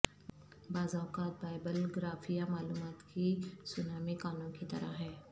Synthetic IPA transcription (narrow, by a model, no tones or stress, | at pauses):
baːzaːkaːt̪̚baːɪbəlɡɾaːfijamaːluːmaːt̪kisʊnaːmikaːnõkit̪ɐ̰ɾa̰ɦɛː